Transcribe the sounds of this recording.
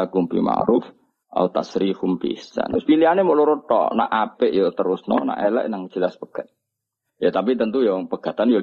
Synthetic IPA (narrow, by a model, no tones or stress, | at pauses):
akumpḭma̰ɾʊf | ʔa̰ut̪a̰sɾifumpḭisa̰nt̪ɾʊspilianemoʔluɾut̪ɔ̰ʔna̰ʔapɪʔjɔt̪əɾʊsnɔ̰na̰ʔelɛ̰ʔnaŋd͡ʒ̥əlasbəɡ̥at̪̚ | jat̪ap̬it̪ənt̪ujɔpəɡ̥at̪anjo